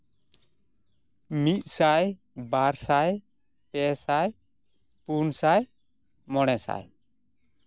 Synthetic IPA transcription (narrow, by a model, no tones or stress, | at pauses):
mit̪̚ˀsaj | baɾsaj | pɛsaj | punsaj | mɔɽ̃ɛsa̰j